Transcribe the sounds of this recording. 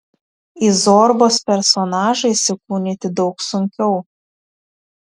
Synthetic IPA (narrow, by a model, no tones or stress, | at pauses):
izɔɾboːspʲɛɾsɔnɑːʒɐɪsʲɪkuːnʲɪt̪ʲɪd̪ɒʊksʊŋʲkʲɛʊ